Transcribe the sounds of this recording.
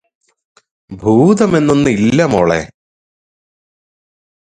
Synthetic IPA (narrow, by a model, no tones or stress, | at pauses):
bʱuːd̪ɐme̞nːonːɨilːɐmoːɭḛ